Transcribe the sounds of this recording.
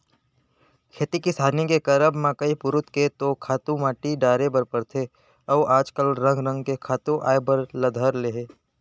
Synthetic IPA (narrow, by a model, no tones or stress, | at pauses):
kʰeːt̪ikisaːnikekɐɾəbmãːkəipʊɾʊt̪ket̪okʰaːt̪ũmaːʈiɖaːɾebɐɾpɐɾt̪ʰe | ɔːʔaːd͡ʒkəlɾə̃ŋɡɾə̃ŋɡkekʰaːt̪ũʔa̰ːebəɾlɐd̪ʱəɾleːɦeː